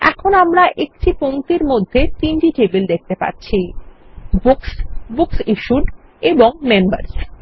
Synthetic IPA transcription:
ɛ̰kʰonamɾaʔek̚ʈʰipoŋt̪iɾmod̪ʱːet̪inʈiʈebeld̪ek̚t̪epa̰tːɕʰi | buksbuksiʃuɖ | eboŋmemba̰ɾs

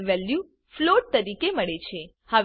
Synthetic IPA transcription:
ʋɛlju | floʈ̚t̪əɾikeməɭet͡ʃʰe | həʋ

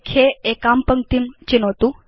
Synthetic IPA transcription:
kʰeekampəŋt̪imt͡ɕinot̪u

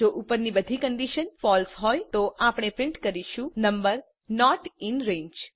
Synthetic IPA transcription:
oʔupəɾnibəd̪ʱikəɳɖiʃənfɔlsɦɔjt̪oʔapɽ̃epɾɪɳʈkəɾiʃũnəmbəɾ | nɔʈɪnɾẽɲd͡ʒ

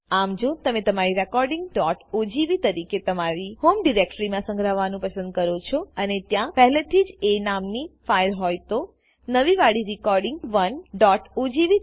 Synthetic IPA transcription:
amd͡ʒot̪əmẽt̪əmaɾiɾɛkɔɾɖɪŋɡɖɔʈod͡ʒiʋit̪əɾiket̪əmaɾihomɖiɾek̚ʈɾimãsə̃ŋɡɾəʋːanũpəsə̃nd̪̚kəɾot͡ʃʰɔənet̪jãpɛɦɛlet̪ʰid͡ʒenamnifajlɦɔjt̪o | nəʋiʋaɽiɾikɔɾɖɪ̃ŋɡʋənɖɔʈod͡ʒiʋi

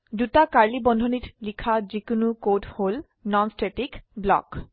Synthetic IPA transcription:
dutakaɹlibɔndʱonitlikʰazikunukothol | nɔnstetikblɔ̰k

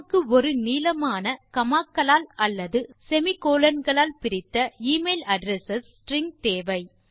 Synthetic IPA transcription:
kːɯɔɾɯniːlɐmaːnɐkɐmaːkːɐɭaːlɐlːɐðɯsɛmɪkoːlɐnɡɐɭaːlpɪɾɪt̪ːɐiːmeːlɐɖɾɛsɐs | ʈɾɪŋɡ̚t̪eːʋɐɪ

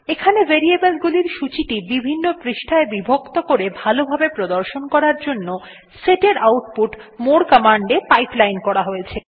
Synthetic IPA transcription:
ekʰaneveɾiebelɡuliɾʃut͡ɕiʈibibʱinːopɾiʃʈʰaebibʱokt̪okoɾebʱalobʱabepɾod̪oɾʃonkɔɾaɾd͡ʑonːo | seʈeɾawʈ̚puʈmoɽkamaɳɖepajplajnkɔɾaɦoet͡ɕʰe

